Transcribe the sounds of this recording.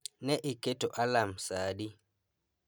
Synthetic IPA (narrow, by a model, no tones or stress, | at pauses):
nɛʔiketoʔalamsaːɗi